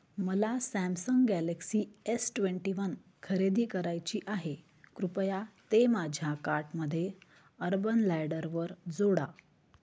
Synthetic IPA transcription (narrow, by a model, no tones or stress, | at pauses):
məlasæ̃msəŋɡɡæleksiːesʈʋeɳʈiʋən | kʰəɾed̪iːkəɾajt͡ɕiːʔaɦe | kɾupjat̪emad͡ʑʱjakaɾʈməd̪ʱːje | əɾbənlæjɽəɾʋəɾd͡zoɽa